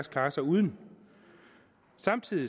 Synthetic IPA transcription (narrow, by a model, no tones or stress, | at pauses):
skʰlɑ̈ːsɑ̈ɪuð̞ˠən | sɑ̈mt͡sʰið̰ˠi